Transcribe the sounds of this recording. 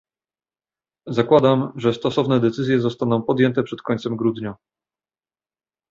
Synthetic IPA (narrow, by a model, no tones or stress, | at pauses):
zakwad̪amʐɛst̪ɔsɔvnɛd̪ɛt̪sɘzʲjɛzɔst̪anɔ̃w̃pɔd̪jɛnt̪ɛpʂɛt̪kʰɔɲʲt̪sɛmɡɾud̪ɲa